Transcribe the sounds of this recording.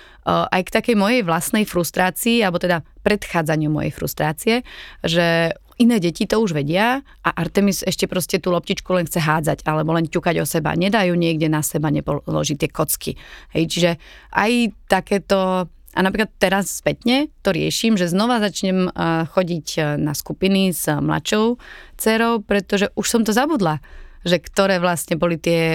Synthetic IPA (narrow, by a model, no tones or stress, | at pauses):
ʔajkt̪akɛjmɔjɛjʋlasnɛjfɾust̪ɾaːt͡siːalɛbɔt̪ɛd̪apɾɛt̪xaːd͡zaɲɪumɔ̰jɛ̰jfɾṵst̪ɾaːt͡siɛʒɛ | inɛːɟɛcit̪ɔuʒʋɛɟɪa | ʔaʔaɾt̪ɛmizɛʃcɛpɾɔscɛt̪uːlɔp̚ciːt͡ʃkulɛnxt͡sɛɦaːd͡za̰ɟalɛbɔlɛncukaɟɔsɛba̰ɲɛd̪ajuːɲɪɛɡɟɛnasɛbaɲɛpɔlɔ̰ʒit̪ɪɛkɔt͡skḭhɛ̰jt͡ʃiʒɛʔa̰jt̪akɛːt̪ɔ | ʔa̰napɾiklat̪t̪ːɛɾasːpɛt̪ɲɛt̪ɔɾɪɛ̰ʃimʒɛznɔʋazat͡ʃɲɛmxɔɟiɟna̰skupiniz̥mla̰t͡ʃɔʊt͡sɛɾɔʊpɾɛt̪ɔʒɛʔuʃsɔmt̪ɔzabud̪laʒɛkt̪ɔɾɛːʋlasɲɛbɔlit̪ɪɛ